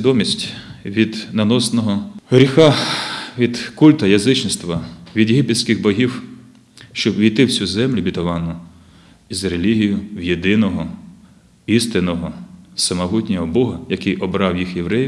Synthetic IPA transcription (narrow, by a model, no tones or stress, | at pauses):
d̪ɔmʲisʲtʲʋʲid̪nɐnɔsnɔɦɔɦɾʲixɑʋʲid̪kulʲt̪ɐjɐzɪt͡ʃnɪst̪ʋɐʋʲid̪jeɦʲipesʲkɪɣbɔɦʲiw | ʃt͡ʃɔbʋʲijt̪ɪwsʲuzɛmlʲʊbʲit̪ɐʋɑnʊ | izɾelʲiɦʲijʊwjed̪ɪnɔɦɔ | ist̪ɪnɔɦɔsɐmɐɦutʲnʲɔɦɔbɔɦɐjɐkɪjʔɔbɾɑwjixjeʋɾɛj